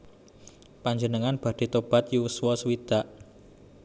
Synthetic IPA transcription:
paɲd͡ʒənəŋanb̥ä̤ɖ̪̥e̤t̪ob̥a̤t̪juwuswɔswid̪̥a̤ʔ

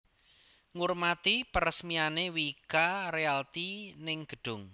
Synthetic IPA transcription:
ŋurmat̪ipəɾəsmianewikaɾealt̪inɪŋɡ̥ə̤ɖ̥ʊ̤ŋ

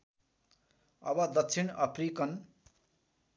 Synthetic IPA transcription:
ʌ̰bʌd̪ʌtt͡sʰinʌprikʌn

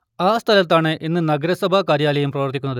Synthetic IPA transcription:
aːst̪ʰɐlɐt̪ːaːɳɨʔinːɨnɐɡɐɾɐsɐbʱakaːɾjaːlɐjumprɐʋɐrt̪ikʲːunːɐðɨ

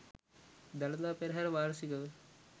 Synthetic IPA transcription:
d̪ɐlɐt̪aːpeɾɦɐɾʋaːɾsikɐʋe

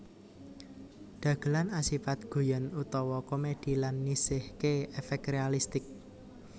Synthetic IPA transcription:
ɖ̪̥ä̤ɡ̥ə̤lanasifat̪̚ɡ̥o̤janut̪ɔwɔkomed̪̥i̤lanːisɪhkeɛfɛk̚krealist̪ɪk̚

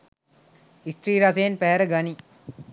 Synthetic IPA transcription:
ist̪ɾiːɾɐs̬ejnpæɦæɾəɡɐni

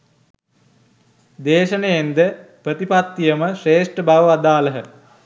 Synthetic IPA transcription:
d̪eːʃəneend̪əprət̪ipat̪ːijəməʂeːʂʈəbaʋəʋad̪aːləɦə

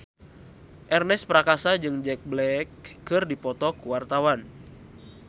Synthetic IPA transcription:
ʔɛrnɛspɾakasad͡ʒɨŋd͡ʒɛk̚blɛkːɨrdipɔt̪ɔkuwart̪awan

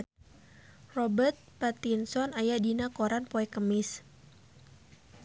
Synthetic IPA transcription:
rɔbərt̪̚pat̪insɔnajadinakoɾanpɔɛkəmɪs

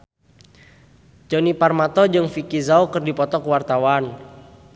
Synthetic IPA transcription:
d͡ʒɔniparmat̪ɔd͡ʒɨŋfikizaokɨrdipɔt̪ɔkəwart̪awan

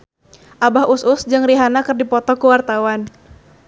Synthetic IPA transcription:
ʔabaɦusʊsd͡ʒɨŋriɦanakərdipɔt̪ɔkuwart̪awan

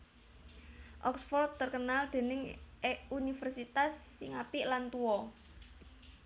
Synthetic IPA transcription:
ʔɔksfɔrd̪̚t̪ərkənald̪̥e̤nɪŋeunifɛrsit̪asːɪŋapiʔlant̪uɔ

